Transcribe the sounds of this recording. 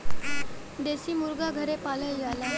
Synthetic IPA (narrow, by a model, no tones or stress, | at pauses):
d̪esiːmuɾɡaɡʱəɾepaləjjala